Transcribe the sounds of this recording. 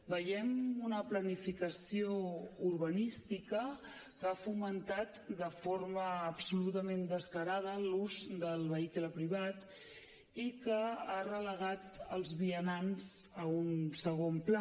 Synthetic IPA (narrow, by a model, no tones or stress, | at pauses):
bəjɛmunəplənifikəsiouɾβənist̪ikə | kafumənt̪at̪d̪əfoɾməːpsulut̪əmend̪əskləɾað̞əluzd̪əlˠβəikləpɾiβ̞at̪ | ikəarələɣat̪əlˠzβiənanzəunsəɣ̞ompla